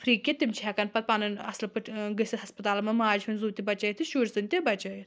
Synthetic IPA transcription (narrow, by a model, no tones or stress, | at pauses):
pʰɾiːkʲet̪imt͡ʃʰɛːkɐnpɐt̪̚panɨnɐ̰slɐpɨʈʰɡəsʲiɦɐspɐt̪aːlɐmɐmaːd͡ʒɦunzuːt̪ʲibɐt͡ʃɐjit̪ʰiʃuːɾʲsɨnʲt̪ʲibɐt͡ʃɐji